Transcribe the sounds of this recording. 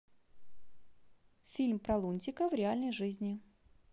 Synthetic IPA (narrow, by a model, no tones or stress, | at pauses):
fʲilʲmpɾɐlˠunʲtʲɪkəvɾʲɪalʲnəjʐɨzʲnʲɪ